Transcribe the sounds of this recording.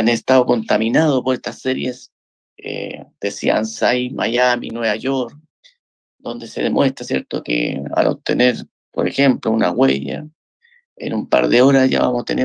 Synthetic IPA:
anest̪aoko̞nt̪aminaðopoɾest̪asːeɾjes | ed̪̥esia̰nsajmʔajaminweβaʝoɾk | d̪o̞nd̪eseðemwe̞st̪ɾasje̞̰ɾt̪o̰kḛa̰lo̰p̚t̪ene̞ɾ | po̞ɾexe̞mplounaɣweja̰ | enumpa̰ɾðeo̞ɾasʝa̰βa̰mosat̪ḛne

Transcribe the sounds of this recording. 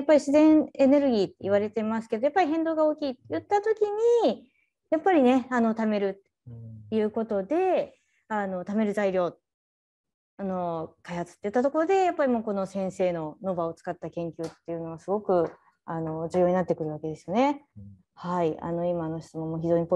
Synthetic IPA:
apːaɾʲiɕizẽ̞ɰ̃e̞ne̞ɾɯ̟ɡʲiːt̪ːeiβ̞aɾe̞t̪e̞mas̬ɨ̥ke̞d̪ojapːaɾʲiɦẽ̞nd̪oːɡao̞ːkʲiːt̪ːejɯ̟t̪ːat̪o̞kʲiɲ̟i | japːaɾʲine̞ano̞t̪ame̞ɾɯ̟t̪ | jɯ̟ːko̞t̪o̞d̪e̞ | ano̞t̪ame̞ɾɯ̟zaiɾʲo̞ːt̪ | ano̞kaihat͡sɨ̥t̪ːe̞jɯ̟t̪ːat̪o̞ko̞ɾo̞d̪e̞japːaɾʲimo̞ːko̞no̞sẽ̞se̞ːno̞no̞bao̞t͡sɨ̥kat̪ːakẽ̞ŋkʲɨːt̪ːe̞jɯ̟no̞ɡasɨɡo̞kɯ̟ | ano̞d͡ʑɨːjo̞ɲinat̪ːe̞kɯ̟ɾɯ̟βake̞d̪e̞sɨjo̞ne̞ | haia̰no̞imano̞ɕi̥t͡sɨmõ̞mːoːçʲiʑo̞ːɲ̟ip

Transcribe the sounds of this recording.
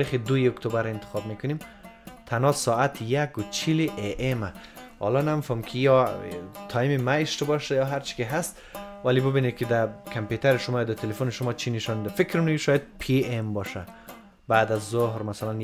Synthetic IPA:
ɾiχid̪ujiokt̪ʰobaɾent̪ʰɪ̥xɒb̚mekʊnimt̪ʰanɒsɔːat̪ʰjakʊt͡ʃʰiliʔeʔemahɒ̰lɔnamifɔmkʰijɔt̪ʰɔjimimaiʃt̪bɔʃajɒɦaɾt͡ʃi̥kiɦast̪ | valibɪbinekʰid̪akʰamput̪ʰaɾiʃʊmɔjɔd̪at̪ʰelefoniʃʊmɔt͡ʃʰiniʃɔnid̪afikɾunkiʃɔjad̪̚pʰiembɒʃa | baːd̪azːohɾmasalan

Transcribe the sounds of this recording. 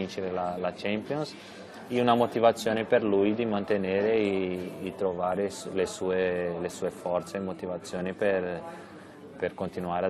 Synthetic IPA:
int͡ʃeɾelalat͡ʃɛmpjons | iunamot̪ivat̪sːjoːnepeɾlujd̪imant̪eneɾeː | t̪ɾovaːɾeslesuelesuːefɔɾt̪semot̪ivat̪sːjoːnipeɾ | peɾkont̪inuaːɾa

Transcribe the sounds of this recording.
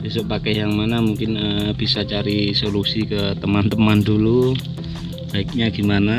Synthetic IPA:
bisəpakajaŋmanamuŋkɪnəb̥isat͡ʃaɾisolusikət̪əmant̪əmandulu | b̥aɪk̚ɲaɡimana

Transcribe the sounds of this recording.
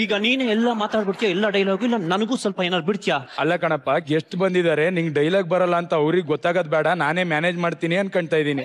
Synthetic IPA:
iːɡɐniːneːɛlːɐmaːt̪aːɖbiɽt̪ijaɛlːɐɖɐjlaːɡuilːɐnɐnɐɡuːsɐlpɐeːnaːɾbiɽt̪jaːɐlːɐkɐɳɐpːaɡeʂʈbɐnd̪id̪aːɾe̞niːŋɡɖɐjlaːɡ̚bɐɾɐlːɐːnt̪ɐɐʋɾiɡɡɔt̪ːaːɡɐd̪bɛːɽɐnaːneːmjaːneːd͡ʒmaːɽt̪iːniɐnkɐɳɖt̪aːjd̪iːni

